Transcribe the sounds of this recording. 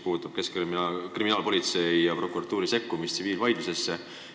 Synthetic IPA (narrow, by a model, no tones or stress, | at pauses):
puːt̪ˑːub̥̚keskimkriminɑːlpo̞lʲit̪se̞jjɑpro̞kuɾɑt̪ːˑuːɾise̞kːumist̪siviːlvɑjd̪luse̞sːe